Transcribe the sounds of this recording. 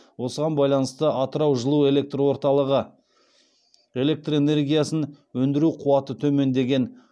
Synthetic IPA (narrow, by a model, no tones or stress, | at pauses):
wo̞səʁɑnbɑjlˠɑnəst̪əʔɑt̪əɾɑwʒəlˠue̞le̞k̚t̪rwo̞ɾt̪ɑlˠəʁə | e̞le̞k̚t̪re̞ne̞rɡʲijasən | wɵnd̪ɪɾuqʰuwɑt̪ət̪ʰɵme̞nd̪e̞ɡʲe̞n